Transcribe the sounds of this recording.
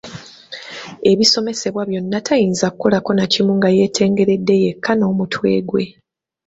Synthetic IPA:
e̞βiso̞me̞se̞βwaβjo̞nːatʰajiːnzakuko̞lako̞nacimuŋɡaje̞ːtʰe̞ːŋɡe̞ɾe̞dːe̞je̞kʰːano̞ːmutʰwe̞̰ːɡwe̞

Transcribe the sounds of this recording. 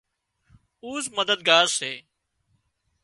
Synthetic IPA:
uːzməd̪əd̪̚ɡaːɾseː

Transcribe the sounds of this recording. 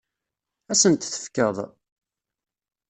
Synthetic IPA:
æsənt̪θə̥fkəðˤ

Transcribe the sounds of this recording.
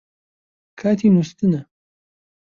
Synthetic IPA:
kʰaːt̪ʰimust̪ɨnɐ

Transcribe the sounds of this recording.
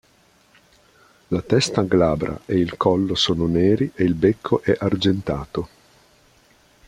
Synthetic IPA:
lat̪ɛst̪aɡlaːbɾa̰ʔeilkʰɔlːosoːnoneːɾiʔeilbekʰːoʔɛʔard͡ʒent̪aːt̪o

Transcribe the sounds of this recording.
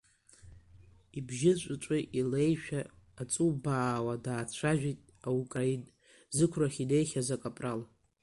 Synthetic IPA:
ibʒɪt͡ɕʷʼʊt͡ʃʷʼɨʔilejʃᶣaː | t͡sʼubaːwadaːt͡sʷʰaʒᶣitʼ | aukʼain | zɨkʷʰraχʲine̞jχʲazakʼapʼral

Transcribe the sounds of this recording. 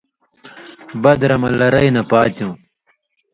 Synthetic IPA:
bɐd̪ɾɐmɐlɐɾɐinɐpaːt̪jũː

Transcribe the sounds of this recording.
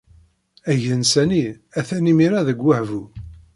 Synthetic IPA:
æʝənsæni | æθænimiɾaðəɡːæhvu

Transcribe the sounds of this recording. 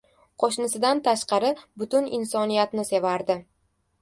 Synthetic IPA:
qʰoʃnɪsɪd̪ant̪ʰaʃqɑɾɪbʊt̪ʊnɪ̰nsɒnijat̪nɪse̞vaɾd̪ɪ

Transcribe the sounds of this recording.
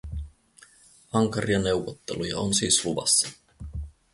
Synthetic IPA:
ɑŋkɑɾiɑne̞wʋot̪ːḛlujɑ̰onsiːsluʋɑ̰sːɑ̥

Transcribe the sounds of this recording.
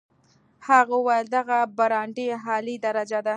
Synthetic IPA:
haɣawald̪aɣabaɾɑɳɖeɦɑlid̪aɾad͡ʒad̪a

